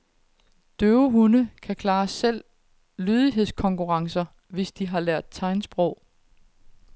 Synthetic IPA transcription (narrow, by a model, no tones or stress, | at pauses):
d̥øʊəɦunəkʰækʰlɑ̈ːsel̰ | lyːð̞ˠiɦe̝ð̞̰ˠskʰɒ̽ŋkʰuʁɑ̈ŋsɐ | ʋe̝sd̥iɦɑ̈læɐ̰d̥̚t͡sʰɑ̈ɪnsb̥ʁɔʊ̰